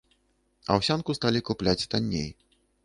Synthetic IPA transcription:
ɐ̰wsʲankust̪alʲikuplʲat͡sʲt̪anʲːḛj

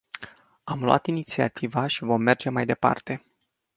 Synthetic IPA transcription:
amluʔa̰t̪init̪sia̰t̪ʰivaʃivo̞mːe̞rd͡ʒe̞majd̪e̞pa̰rt̪e̞

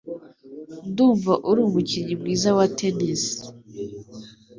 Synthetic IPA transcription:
nduːɱvaʔuɾuːmuciɲimɡiːzawatʰenisi̥

